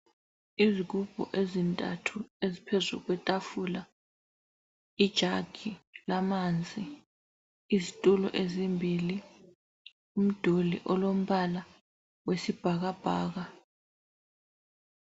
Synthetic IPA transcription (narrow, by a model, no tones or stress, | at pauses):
izik̬ub̥ʱɔ̰ʔezintʼa̰tʰuezipʰezṵk̬wɛtʼafula | id̥ʒ̥ʱaɡ̥ʰʱilamand͡zʱʼi | izitʼulɔ̰ʔezimbʱili | um̩d̥ʱolḭʔɔlom̩βala | wesib̥ʱaɣ̬ab̥ʱaːɣ̬a